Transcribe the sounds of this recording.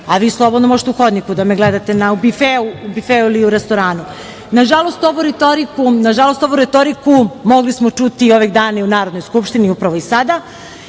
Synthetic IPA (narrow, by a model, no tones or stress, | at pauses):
aʋiːslˠo̞bod̪nomoʒet̪euxod̪nikud̪ameɡled̪at̪e̞naubifeuubifeuiliuɾest̪o̞ɾaːnu | naʒalo̞st̪o̞ʋuɾet̪oɾikunaʒalˠost̪oʋuɾet̪oɾikumo̞ɡlismot͡ʃut̪io̞ʋeɡd̪aːnaunaːɾod̪nojskupʃt̪iniupɾaʋo̞isad̪a